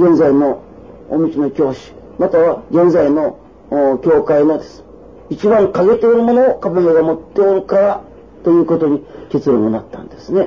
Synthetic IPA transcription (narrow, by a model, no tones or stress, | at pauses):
ɡẽ̞nzaino̞ː | mʲit͡ɕinokʲo̞ːɕi̥mat̪aβaɡẽ̞nd͡zaino̞ | kʲo̞ːkainod̪e̞sɨ̥ | it͡ɕibãŋkaɡe̞t̪eiɾɯmo̞no̞ːkabemeɡamo̞t̪ːe̞oɾɯ̟kaɾa | t̪o̞jɯ̟ːko̞t̪o̞ɲ̟ike̞t͡sɨɾõŋɡɯnat̪ːã̰nd̪̥e̞sɨne̞